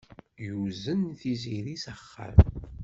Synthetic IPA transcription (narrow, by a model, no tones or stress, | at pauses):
juzənθiziɾisəχːa̰m